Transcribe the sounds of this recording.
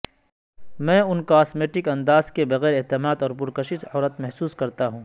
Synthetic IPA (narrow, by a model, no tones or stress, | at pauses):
mɛ̃ːʊnkoaːsmeːʈɪkɐ̃nd̪aːzkebɐɣɛːɾeɦt̪ɪmaːd̪ɔːɾpʊɾkɐʃɪsɔːɾət̪mɛɦsuːskɐɾt̪aɦũː